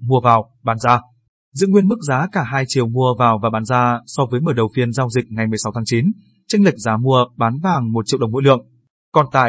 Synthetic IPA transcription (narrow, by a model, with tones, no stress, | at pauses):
mu˧əvaː˨˩w | ɓaː˨˦nzaː˧ | zɨ̰˧˥˨ŋwi˧ənmɨ˦˥k̚zaː˨˦kaː˧˩ɦaː˧jt͡ɕi˨˩əwmu˧əvaː˨˩wvaː˨˩ɓaː˨˦nzaː˧sɔ˧vəː˨˦jməː˧˩ɗə˨˩wfi˧ənzaː˧wzï˨˩k̚ŋa˨˩jmɨ˨˩əjsa˨˦wt̪ʰa˨˦t͡ɕi˨˦n | t͡ɕa˧ŋ̟la˨˩k̚zaː˨˦mu˧əɓaː˨˦nvaː˨˩ŋmo˨˩t̚t͡ɕḭ˧˨wɗŋ͡mo̰˧˥lɨ̰˧˨əŋ | kɔ˨˩nt̪a̰ː˧˨j